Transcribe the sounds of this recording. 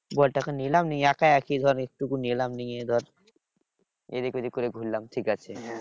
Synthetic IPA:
bɔlʈakanilamnieakajakʰid̪ʱɔɾek̚ʈukunilamniŋed̪ʱɔɾ | ḛd̪ekod̪ʱikoɾeɡʱulːamʈʰikat͡ɕʰe

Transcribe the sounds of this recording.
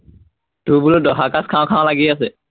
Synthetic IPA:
t̪ubulɔdɔɦakaskʰaw̃kʰããlaɡiasɛ

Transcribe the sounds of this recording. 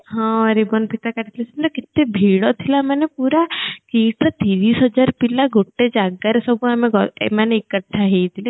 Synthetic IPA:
ɦɔ̃ɾibɔnpʰit̪akaɾit̪ʰilesinɾakit̪ːebʱiɽɔt̪ʰilamanepuɾakiʈt̪iɾisɦɔd͡ʒaɾpilaɡoʈːed͡ʒaɡaɾesɔbʱuameɡɔ̰maneikəʈʰːaɦejt̪ʰile

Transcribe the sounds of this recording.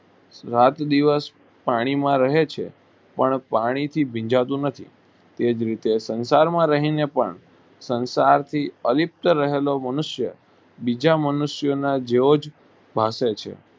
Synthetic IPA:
ɾat̪d̪iʋəs | paɽ̃imãɾəɦet͡ʃʰḛ | pəɳpaɽ̃it̪ʰibʱĩd͡ʒat̪ũnət̪ʰḭ | t̪ed͡ʒɾit̪esənsaɾmãɾəɦinepə̰ɳ | sənsaɾt̪ʰiəlip̚t̪əɾəɦelomənʊʃjə̰ | bid͡ʒamənʊʃjənad͡ʒeod͡ʒ | bʱaset͡ʃʰḛ

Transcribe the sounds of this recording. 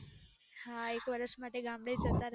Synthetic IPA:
hãekʋəɾəsmaʈːeɡambɽet͡sət̪aɾ

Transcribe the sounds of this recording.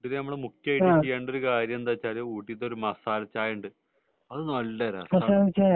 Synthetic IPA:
inenɐmːɐɭemuktːjɐaiit͡ɕːijːaːɳɖoɾukaːɾjɐmend̪aːt͡ɕːaːɾjɐuːʈːit̪ːoɾumɐsaːlɐt͡ɕːaːjuɳɖɨ | ɐðɨnɐlːɐɾɐ̰sɐsaːmit͡ɕːa

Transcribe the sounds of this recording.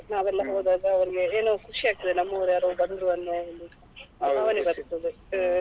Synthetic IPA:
naːʋɛlːɐɦoːd̪aːɡɐːʋɐɾiɡeeːnukʰuʂiaːɡ̚t̪id̪enɐmːɐɐʋɾjaːɾoːbɐnɾuɐnːɐɐlu | ɐmaʋɐnibɐd̪ɐt̪ːɐd̪ɯ

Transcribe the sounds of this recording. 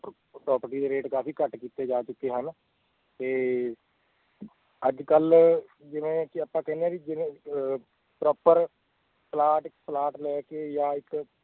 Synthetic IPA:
pɾɔːpəɾʈiːd̪eːɾeːʈkaːpʰiːkəʈkiːt̪eːd͡ʒaːt͡ʃʊkːeːɦən | t̪eː | əd͡ʒkəl | d͡ʒɪʋẽːkiəpːãːkɛːneaːɾid͡ʒɪ̃ | pɾɔːpəɾ | plaːʈɪkplaːʈlɛːkeːjãːɪk

